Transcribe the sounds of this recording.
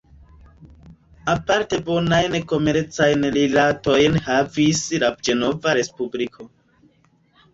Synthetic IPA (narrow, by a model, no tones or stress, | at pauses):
apaɾte̞bo̞najnko̞me̞ɾt͡sajnlilato̞jnhavislad͡ʒe̞no̞vaɾe̞spublikʰo